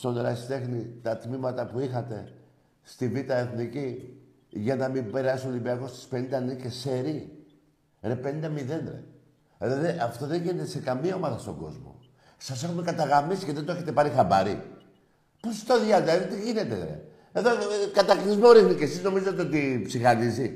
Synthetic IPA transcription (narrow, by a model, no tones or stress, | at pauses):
st̪oneɾɐ̰st̪e̞xnit̪ɐt̪mimɐt̪ɐpuixɐt̪e̞ | st̪ivit̪ɐe̞θnici | ʝɐnɐmibe̞ɾɐsuolibiɐko̞st̪i̥spe̞nind̪ɐniceseɾi | ɾe̞pe̞nind̪ɐmiðe̞nɾḛ | elɐðiʔɐft̪o̞ðe̞ɲʝine̞t̪ese̞kɐmiɐo̞mɐðɐst̪o̞ɡo̞̰zmo̞̰ | sɐs̬e̞xunekɐt̪ɐɣɐmisi̥ceðent̪oeçet̪e̞pɐɾixɐbɐɾḭ | post̪oðjɐd̪ɐðot̪iʝine̞t̪ḛɣɾḛ | e̞ðokɐt̪ɐkɾizmoɾixnice̞sizno̞mizɐt̪eo̞t̪ipsixɐnizi